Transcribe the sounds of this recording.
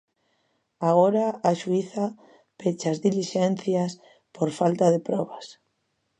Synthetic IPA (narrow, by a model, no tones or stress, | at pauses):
aɣoɾaːʃuiθa | pet͡ʃazðiliʃen̟θjas | poɾfalt̪aðepɾɔβas